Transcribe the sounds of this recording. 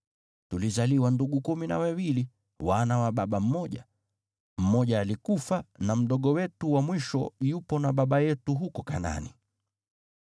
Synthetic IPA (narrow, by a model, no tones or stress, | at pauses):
tulizaliwanduɠukumina̰wawili | wanawaɓaɓam̩mɔʄa | m̩mɔʄaːlikufanam̩ɗɔɠɔwɛtuwamwiʃɔjupɔnaɓaɓajɛtuɦukɔkana̰ni